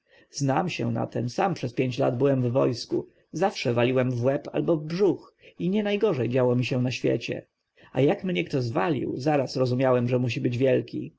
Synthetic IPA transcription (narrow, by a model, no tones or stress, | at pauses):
znamɕɛna̰t̪ɛmsampʂɛspʲjeɲt͡ɕla̰d̪bɘwɛmvːɔjsku | zafʂɛvalʲiwɛmvwɛpa̰lbɔvbʐuxiɲɛnajɡɔʐɛjd͡ʑawɔmʲiɕɛ̃naɕfʲjɛ̰t͡ɕɛ̰ | a̰jakmɲɛkt̪ɔzvalʲḭwzaɾasɾɔzumʲjawɛmʐɛmuɕ̬ibɘd͡ʑvʲjɛlkʲḭ